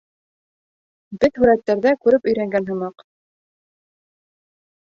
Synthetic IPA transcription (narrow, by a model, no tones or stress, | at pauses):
bɘðhʉɾæt̪ːæɾðækʉɾɘpɵ̆jɾæŋɡænɦɤ̆mɑq